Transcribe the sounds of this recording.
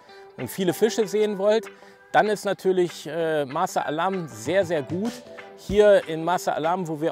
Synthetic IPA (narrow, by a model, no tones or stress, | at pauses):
ʔʊntfiːləfɪʃəzeːənvɔlt | d̥anɪstnatʰyːɐlɪçʔɛːmasə̰ʔa̰laɐmzeːɐzeːɐɡuːthiːɐʔɪnmasəʔa̰laɐmvoːviːɐ